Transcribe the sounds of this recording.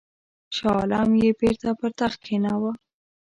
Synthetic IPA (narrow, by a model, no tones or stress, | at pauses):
ʃɑlɑmjebeɾt̪apəɾt̪axkʰenawa